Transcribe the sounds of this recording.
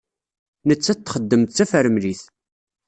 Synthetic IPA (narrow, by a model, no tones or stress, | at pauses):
nət͡sːæt̪ːχəd̪ːəmt̪t͡sːæfəɾəmliθ